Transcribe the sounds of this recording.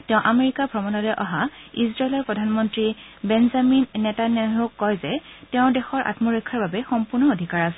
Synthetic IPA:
tɛʊ̃ʔameɹikabʱɹɔmɔnɔlɛʔɔɦaizɹaelɔɹpɹɔdʱanmɔntɹibɛnzaminːɛtanaɦokːɔjzɛtɛʊ̃dɛxɔɹʔa̰tmɔɹɔkʰːaɹbabɛxɔmpuɹnɔodʱikaɹasɛ

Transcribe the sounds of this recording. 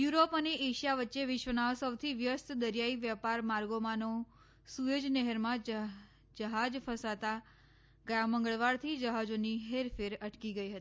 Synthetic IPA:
juɾopəneʔeʃijaʋətːʃeʋɪʃʋənaʋsəʋt̪ʰiʋjəst̪d̪əɾjaiʋjəpaɾmaɾɡomano | sujod͡ʒnɛɦəɾmãd͡ʒ | d͡ʒəɦad͡ʒfʰəsat̪a | ɡəjamə̃ŋɡəɭʋaɾt̪ʰid͡ʒəɦad͡ʒoniɦeɾfeɾəʈkiɡəiɦət̪i

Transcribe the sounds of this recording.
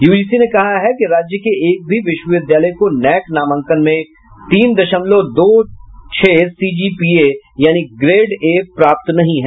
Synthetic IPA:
juːɖiːsinekɐɦaɦɛkiɾaːd͡ʒjəkeeːk̚bʱiʋɪʃwəʋɪd̪jaːləjkonɛːknaːmə̃ŋkənmẽ | ʈiːmd̪ɐʃəmlod̪oːt͡ʃʰeːsiːd͡ʒiːpiejaːniɡɾeːɖeːpɾaːp̚t̪nɐɦĩɦɛː

